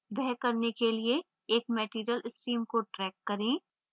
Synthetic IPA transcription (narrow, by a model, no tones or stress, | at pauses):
bɛɦkɐɾnekelie | eːk̚mɛːʈiːɾjəlɪsʈɾiːmkoʈɾɛːkːɐɾẽː